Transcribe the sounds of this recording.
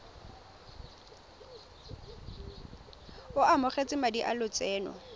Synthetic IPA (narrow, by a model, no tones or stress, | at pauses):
ʊʔamʊχet͡sʼɪmadiʔalʊt͡sʼɛːnɔ̰